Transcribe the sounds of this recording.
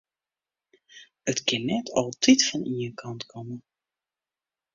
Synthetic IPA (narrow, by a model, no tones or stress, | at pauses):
ətkɪnːɛtʰɔlˠtʰitfɔniənkʰɑntkʰɔmə